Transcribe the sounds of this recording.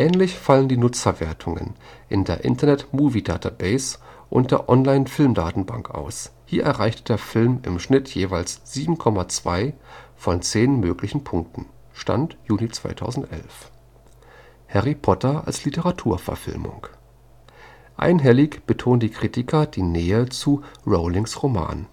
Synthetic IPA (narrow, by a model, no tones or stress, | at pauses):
ʔɛːnlɪçfaləndiːnʊt͡sɐveːɐtʰʊŋə̰nʔɪndeːɐʔɪ̰ntʰɐnɛtmuːvida̰ːtʰabɛɪsʔʊ̰nt̚d̥eːɐʔɔnlaɪnfɪlmdaːtn̩ba̰ŋkʔa̰ʊshiːɐʔɛɐʁaɪçtəd̥eːɐfɪlmɪ̰mʃnɪtʰjeːvaɪlsz̥iːbm̩kʰɔmat͡sv̥aɪfɔnt͡seːnmøːklɪçn̩pʰʊŋk̚tn̩ | ʃta̰ntjuːnit͡sv̥a̰ɪtʰa̰ʊzn̩tʔɛ̰lf | hɛʁipʰɔtɐʔa̰lslitəʁatʰuːɐfɛ̰ɐfɪ̰lmʊ̰ŋ | ʔa̰ɪnɦɛlɪçb̥ətʰoːntd̥iːkʁ̥itɪkʰɐd̥iːnɛːət͡suʁoʊlɪŋsʁoma̰ːn